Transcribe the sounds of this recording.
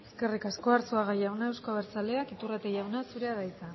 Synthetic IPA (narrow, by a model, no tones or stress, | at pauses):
e̞ske̞rikasko̞aɾt͡suaɣajawnaewskoaβeɾt͡saleakit̪urat̪ejawnasuɾe̞aðajt͡s̪a